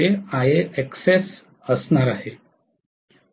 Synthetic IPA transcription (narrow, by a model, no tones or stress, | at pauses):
eajeʔekses | əsnaɾaɦe